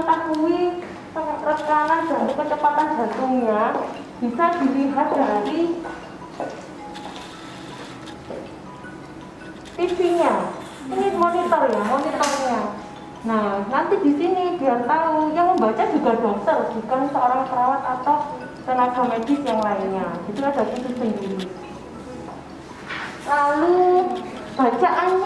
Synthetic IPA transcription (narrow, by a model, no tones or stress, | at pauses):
ant̪akuwi | səmat̪ɾɔskanand̪̥a̤ɾikət͡ʃəpat̪and̥a̤t̪uŋja | b̥i̤sad̪̥i̤liɦat̪̚d̪̥a̤ɾi | t̪ifiɲa | iŋimonit̪ɔrjamonit̪ɔrɲa | nanant̪id̥̪i̤sinib̥iant̪ajaŋməmbat͡ʃad̥d͡ʒ̥ṳɡ̥a̤b̥ɔ̤ŋsərb̥ukansəoɾaŋp̪əɾawat̪at̪aw | t̪ənaɡ̥a̤mad͡ʒ̥isjaŋlaiɲɲaɡ̥it̪ukad̥a̤k̪it̪ud̪̥ənini | lalu | b̥a̤t͡ʃaʔan